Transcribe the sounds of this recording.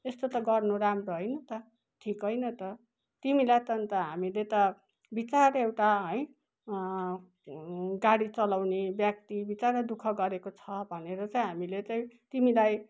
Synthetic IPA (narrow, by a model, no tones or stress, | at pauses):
est̪ot̪ʌɡʌrnoɾamroɦʌjnʌt̪ʌ | ʈʰikɦʌjnʌt̪ʌ | t̪imilajt̪ʌnit̪ʌɦamilet̪ʌ | bit͡saɾewʈaɦʌj | ɡaɽit͡sʌlawnebjʌk̚t̪ibit͡saɾʌd̪ukʰʌɡʌɾekot͡sʰʌbʱʌneɾʌt͡saĩɦamilet͡saĩt̪imilaj